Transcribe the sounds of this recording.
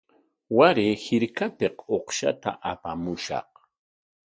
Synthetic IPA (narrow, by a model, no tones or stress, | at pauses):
waɾɪhɪɾkapeqoχʃa̰t̪a̰ʔapamʊʃɑ̰q